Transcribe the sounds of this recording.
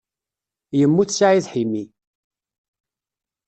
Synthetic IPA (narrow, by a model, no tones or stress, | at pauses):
jəmːuθsaʕiðħimːi